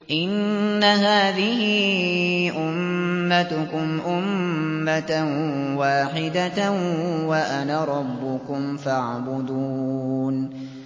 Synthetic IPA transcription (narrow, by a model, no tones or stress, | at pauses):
ʔɪnːaɦaːðɪhɪ | ʔʊmːat̪ʊkʊmʔʊmːat̪nwaːħɪd̪a | waʔanaɾˤɑbːʊkʊmfaʕbʊd̪uːn